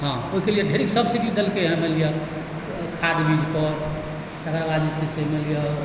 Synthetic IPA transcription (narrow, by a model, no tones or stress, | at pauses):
ɦãoɦikelijeɖʱeɾiksəbsiʈid̪elkeɦɛ̃melijə | kʰad̪bid͡ʒʱpəɾ | ʈ̪əkɾbad̪isesemelijə